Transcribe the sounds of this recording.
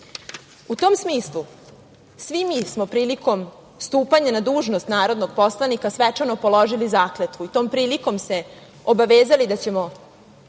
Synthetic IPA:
ut̪o̞ːmsmiːslˠu | sʋimiːsmo̞pɾiːliko̞m | st̪uːpaɲanad̪uːʒnost̪naːɾo̞d̪noɡpo̞slˠanikasʋet͡ʂano̞po̞lo̞ʒilizaːklet̪ʋuit̪o̞ːmpɾiːliko̞mse̞ | obaʋeːzalid̪at͡ɕe̞mo̞

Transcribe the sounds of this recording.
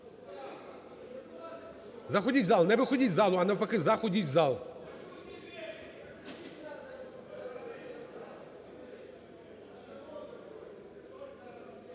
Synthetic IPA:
zɐxɔdʲitʲzalˠnɛʋɪxɔdʲitʲzalˠʊɐnɐpɐkɪzɐxɔdʲitʲzalˠ

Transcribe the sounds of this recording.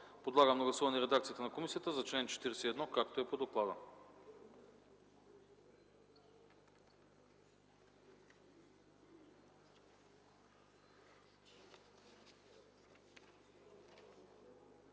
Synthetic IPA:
pod̪lˠaɡəmnoɡlɐsuvɐnɛɾɛd̪akt̪sijət̪ənɐkomisijət̪əzɐt͡ʃlɛnt͡ʃɛ̥t̪iɾɛsɛɛd̪nɔkakt̪oɛpod̪oklˠad̪ə

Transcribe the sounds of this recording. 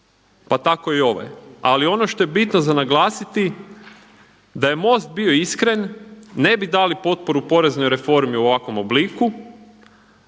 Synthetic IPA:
pat̪ako̞io̞ʋa̰jalio̞noʃt̪o̞je̞bit̪no̞zanaɡlˠaːsit̪i | d̪aje̞mo̞st̪̚bio̞iskɾe̞nːe̞bid̪alipo̞t̪̚po̞ɾupo̞ɾe̞zno̞jɾe̞fo̞ɾmiuoʋakʋo̞mobliːku

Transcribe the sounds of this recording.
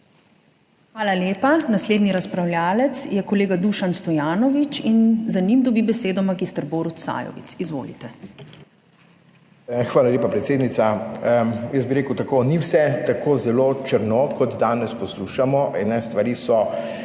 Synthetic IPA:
xʋaːlaljeːpanasleːd̪niɾaspɾawlʲjaːlɛt̪sjɛkɔleːɡad̪uʃanst̪ɔjaːnɔʋit͡ʃinzanimd̪ɔbibɛseːd̪ɔmaɡist̪ɾboɾut̪sa̰jɔ̰ʋḭt̪sizʋo̰ːlḭt̪ɛ | xʋaːlalʲeːpapɾɛt̪seːd̪nit̪a | jəst̪biɾeːkəwt̪akoniwsɛt̪akoːzɛloːt͡ʃəɾnokʰɔt̪d̪aːnɛspɔsluːʃamɔʔɛːnɛst̪ʋaɾiːsɔ

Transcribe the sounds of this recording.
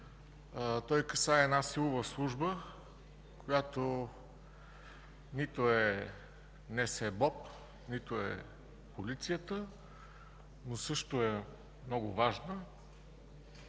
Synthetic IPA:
t̪ɔjkəsaɛnasilˠovəslˠuʒbə | kojat̪o | nit̪oɛ | nɛsɛbɔp | nit̪oɛ | polit̪sijət̪ə | nosɤʃt̪oɛ | mnɔɡʊvaʒnə

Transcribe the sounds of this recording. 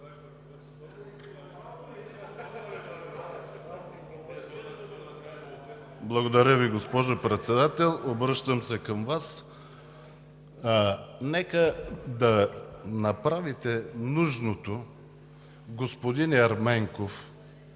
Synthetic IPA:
blˠɐɡod̪ɐɾəviɡospɔʒopɾɛt̪sɛd̪at̪ɛlˠobɾɤʃt̪əmsɛkəmvas | nɛkəd̪ɐnɐpɾavit̪ɛnuʒnot̪o | ɡospod̪iniɐɾmɛŋkof

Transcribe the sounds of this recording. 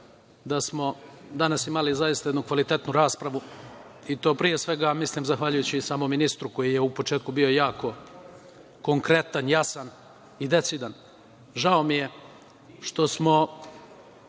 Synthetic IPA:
d̪asmo̞d̪anasimalizajist̪ajed̪nukʋalit̪e̞t̪nuɾaːspɾaʋu | it̪o̞ːpɾije̞sʋe̞ɡamislimzaxʋaʎujut͡ɕisaːmominist̪ɾuko̞jijeupo̞t͡ʃe̞ːt̪̚kubio̞jaːko̞ | ko̞ŋkɾe̞t̪anjasan | id̪e̞sid̪an | ʒao̞mije̞ | ʃt̪o̞smo̞

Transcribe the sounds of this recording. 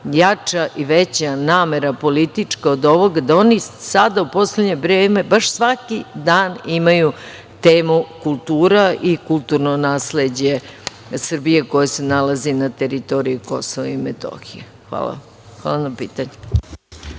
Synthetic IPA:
jat͡ʂaʔiʋet͡ɕanaːme̞ɾapo̞lit̪it͡ʂkaod̪o̞ʋoɡad̪ao̞nisad̪aupo̞sled̪ɲe̞ʋɾeːme̞baʃsʋakid̪aːnimaju | t̪eːmukulˠt̪uːɾaʔikulˠt̪uɾnonaːsled͡ʑe̞ | sr̩bijeko̞jese̞nalazinat̪eɾit̪o̞ɾijuko̞soʋaimet̪o̰xije | xʋa̰ːlˠa̰ | ʋa̰ːlˠanapiːt̪aɲu

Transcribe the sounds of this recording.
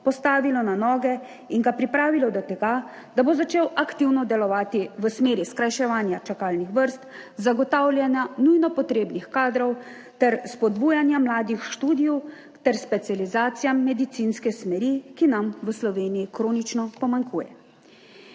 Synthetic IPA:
pɔst̪aːʋilɔnanɔːɡɛ | iŋɡapɾipɾaːʋilɔd̪ɔt̪ɛɡa | d̪abozat͡ʃeːwʔakt̪iwnɔd̪ɛlɔʋaːt̪iʋəsmeːɾiskɾajʃɛʋaːnjat͡ʃakaːlnixʋəɾst̪zaɡɔt̪aːwlʲjɛnjanujnɔpɔt̪ɾeːbnixkaːd̪ɾɔw | t̪ɛɾspɔd̪buːjanjamlaːd̪ixʃt̪uːd̪iju | t̪ɛɾspɛt̪sializaːt̪sijamːɛd̪it̪siːnskɛsmɛɾikinamʋəslɔʋeːniikɾoːnit͡ʃnɔpɔmaŋkʰuːjɛ̰

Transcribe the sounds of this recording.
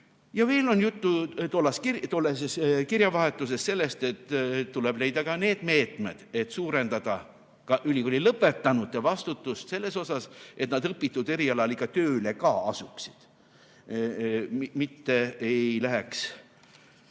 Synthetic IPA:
jɑve̞ːlo̞njut̪ːut̪olːɑskit̪olːeseskirjɑvɑɦe̞t̪ːˑusest̪ːse̞lːest̪e̞t̪ːtːuleb̥le̞jd̪̥ɑkɑne̞ːd̪̥me̞ːt̪me̞d̪̥e̞t̪suːɾe̞nd̪ɑd̪̥ɑ | kɑʔylikolʲilɤpːˑet̪ːˑɑnud̪̥̚ːevɑst̪ut̪ːˑust̪se̞lːe̞so̞sɑsʔe̞t̪nɑd̪ɤpːˑit̪ːˑud̪̥e̞ɾiɑlɑlikɑt̪øːlekɑɑ̰suksi̥d̪̥ | mit̪ːe̞ejlæɦɛks

